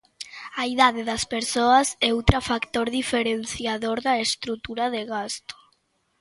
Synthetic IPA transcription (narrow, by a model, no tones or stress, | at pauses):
aiðaðeðaspeɾsoasɛuwt̪ɾafakt̪oɾðifeɾen̟θjaðoɾðaest̪ɾut̪uɾaðeɣast̪o̥